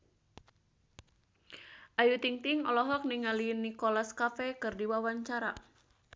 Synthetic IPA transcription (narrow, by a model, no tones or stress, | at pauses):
ʔajut̪iŋt̪ɪŋɔ̰lɔɦɔk̚niŋalinikolaskafɛkɨrdiwawaɲt͡ʃaɾa